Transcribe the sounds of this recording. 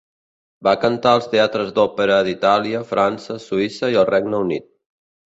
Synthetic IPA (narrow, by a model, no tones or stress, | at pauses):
bakənt̪aəlˠst̪eat̪ɾəzd̪ɔpəɾəd̪it̪aliəfɾʔansəsuisəiəlˠrɛɡnəunit̪̚